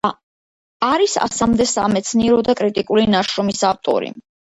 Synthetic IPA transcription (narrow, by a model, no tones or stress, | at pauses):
aɾisa̰samd̪ɛsa̰mɛt̪sʰniɛɾɔd̪akʼɾit̪ʼikʼulinaʃɾɔmisaft̪ʼɔ̰ɾḭ